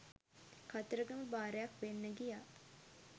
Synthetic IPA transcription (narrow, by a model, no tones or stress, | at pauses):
kat̪əɾəɡəməbaːɾəjakʋenːəɡijaː